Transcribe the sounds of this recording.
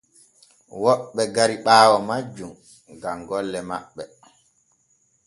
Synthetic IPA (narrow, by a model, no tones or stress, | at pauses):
wɔɓːɛɡaɾiɓaːwɔmad͡ʒum | ɡaŋɡɔlːɛma̰ɓːɛ